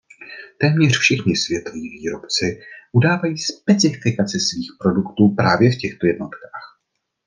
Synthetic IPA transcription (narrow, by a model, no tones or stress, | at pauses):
t̪ɛːmɲɛr̝̥fʃɪxɲɪsvjɛt̪oviːviːɾo̞pt͡sɪʔudaːvajiːspɛt͡sɪfɪkat͡sɪsviːxpɾo̞dukt̪uːpɾaːvjɛfcɛxt̪o̞jɛdno̞t̪kaːx